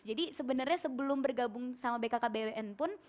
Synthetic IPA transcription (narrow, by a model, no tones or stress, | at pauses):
d͡ʒadisəbənərɲasəbəlʊmbərɡabʊŋsamabekakabeweʔɛnpʊn